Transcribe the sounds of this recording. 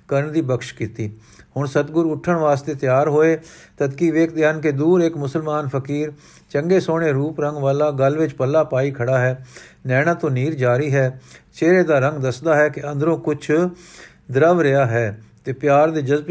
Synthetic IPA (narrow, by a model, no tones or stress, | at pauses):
kəɾəɳd̪iːbəkʃkiːt̪iː | hʊɳsət̪ɡʊɾʊʈʰːəɳʋaːst̪eːt̪ɪjaːɾɦoːeːt̪ət̪kiːʋeːkd̪jaːnked̪uːɾɪkmʊsəlmaːnpʰəkiːɾ | t͡ʃəŋɡeːsoːɽ̃eːɾuːpɾəŋɡʋaːlaːɡəlʋɪt͡ʃpəlːaːpaːiːkʰəɽaːɦɛːnɛːɽãːt̪õːniːɾd͡ʒaːɾiːɦɛːt͡ʃeːɾeːd̪aːɾəŋɡd̪əsd̪aːɦɛːkɪə̃nd̪ɾõːkʊt͡ʃʰ | d̪əɾəʋɾɪaːɦɛːt̪eːpɪjaːɾd̪eːd͡ʒəzb